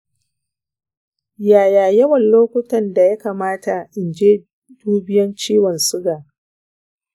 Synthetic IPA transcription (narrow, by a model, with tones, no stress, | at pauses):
jaː˨jaː˨jɐ˦wɐ˨nloː˦kʷʊ˦tɐ˨nda˨ja˦kaː˨maː˦ta˨ʔɪ˨nd͡ʒeː˦ | d̥uː˦bɪ˦jɐ˦nt͡ʃiː˦wɔ˨nsʊ˦ɡaː˨